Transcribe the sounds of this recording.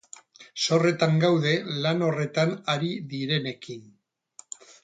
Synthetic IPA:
so̞re̞t̪aŋɡawðe̞lano̞re̞t̪anaɾiðiɾe̞ne̞kin

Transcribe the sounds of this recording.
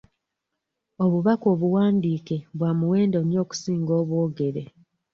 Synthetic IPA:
o̞βuβako̞ːβuwaːndiːke̞βwaːmuwe̞ːndonjo̞ːku̥siːŋɡo̞ːβwoːɡe̞ɾe

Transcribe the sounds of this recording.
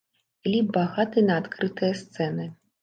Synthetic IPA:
ilʲibaɣat̪ɨnɐːt̪kɾɨt̪ɨjɐst̪sɛnɨ

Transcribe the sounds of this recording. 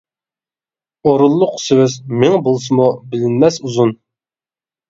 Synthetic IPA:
oɾulˠːʊqsewɪzmɪŋbolˠs̬ɨmubɪlɪnmɛsuzun

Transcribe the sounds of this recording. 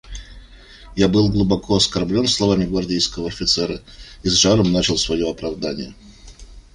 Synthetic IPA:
jabɨlˠɡlˠʊbɐkʰoɐskɐrblʲo̞nslˠɐvamʲɪɡvɐrdʲejskəvəɐfʲɪt̪sɛɾəizʐaɾəmnat͡ɕɪlˠsvɐjo̞ɐpɾɐvd̪anʲɪjə

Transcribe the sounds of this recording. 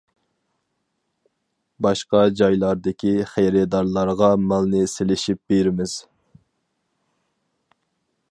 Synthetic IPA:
bɑʃqɑd͡ʒɑjlˠɑɾd̪ɪkʲiχæjɾɛd̪ɑɾlˠɑɾʁɑmɑlˠnɨselɪʃip̚b̥eɾɪmɪz̥

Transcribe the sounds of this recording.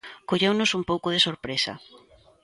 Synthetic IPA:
koʎewnʊsumpowkʊð̞ɪsoɾpɾesɐ̰

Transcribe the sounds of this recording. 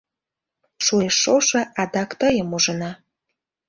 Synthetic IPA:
ʃueʃːoʃɑʔɑd̪ɑkt̪əjəmuʒənɑ

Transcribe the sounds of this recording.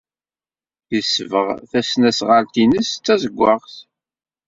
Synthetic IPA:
əsːvəʁθæsnæsʁəɾt̪inəst͡sːæzəɡʷːɑʁθ

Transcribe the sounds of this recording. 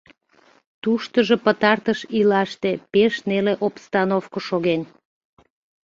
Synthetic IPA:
t̪uʃt̪əʒo̽pət̪ɑrt̪əʃilɑʃt̪epeʃneleʔopst̪ɑnofkoʃoɣen

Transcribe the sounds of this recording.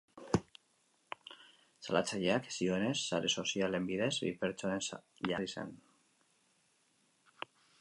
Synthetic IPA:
salat͡saʎeaksioene̞sːaɾeso̞siale̞mbiðe̞zβḭpeɾt͡ʃoensʎaðisḛn

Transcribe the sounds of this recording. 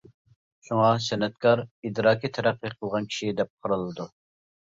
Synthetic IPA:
ʃuŋɑsɛnɛt̪kʰɑɾid̪ɾɑːkʲit̪ʰɛɾæqːəqʰəlˠʁɑnkʲʰi̥ʃid̪ɛp̚qʰɑɾɨlˠɨd̪u

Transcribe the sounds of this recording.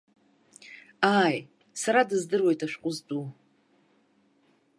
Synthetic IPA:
aːj | saɾadɨzdɨrwejtʼaʃᶣqʷʼʊzdu

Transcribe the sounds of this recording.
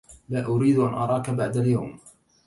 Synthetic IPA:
laːʔʊɾiːd̪ʔanʔɑɾˤɑːkabaʕd̪aljawm

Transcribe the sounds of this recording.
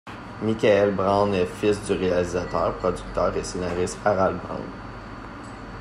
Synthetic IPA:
mikʲaɛlbʁɑ̃nɛfɪsd̪yʁealizat̪œ̰ːʁpχɔdd͡zyk̚t̪œːʁesenaʁɪst̪aʁalbʁɑ̰̃n

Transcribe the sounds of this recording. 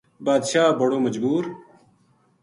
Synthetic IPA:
baːd̪ʃaːbɐɽoːmɐd͡ʒbuːɾ

